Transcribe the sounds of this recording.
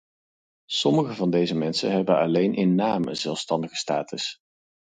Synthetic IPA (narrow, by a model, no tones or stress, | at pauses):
sɔməχəvɑndejzəmɛnsə̰nɦɛbənɑlejnʔɪnːaːməzɛlˠfstɑndəχə̥staːtəs